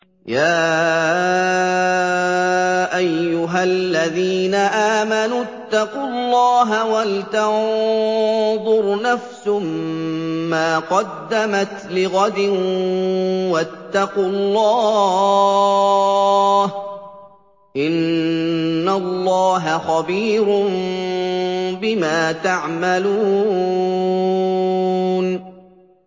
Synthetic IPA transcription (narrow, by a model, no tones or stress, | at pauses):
jaː | ʔajːʊɦalːaðiːnaʔaːmanut̪ːɑqʊlˤːɑːɦawalt̪aʕ | ðˤʊɾnafsʊm | maːqɑd̪ːamat̪lɪɣɑd̪ɪ | wat̪ːɑqʊlːɑː | h | ʔɪnː | alːɑːɦaxɑbiːɾʊm | bɪmaːt̪aʕmaluː | n